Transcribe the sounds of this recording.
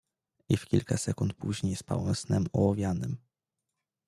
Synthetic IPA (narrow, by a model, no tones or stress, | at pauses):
ifkʲilkasɛkunt̪̚puʑɲejspa̰wɛwsnɛmɔwɔvʲjanɘm